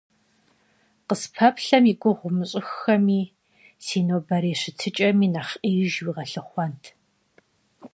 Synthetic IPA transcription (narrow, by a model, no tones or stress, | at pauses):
qəspʰɐpɬɐmiɡʷʼʊʁʷʊmɨɕʼɪxɐmiː | siːnoːbɐɾeːɕɪtʰɨt͡ʃʼɐmiːnaχʔeʒwiːʁɐɬɨχʷɔntʰ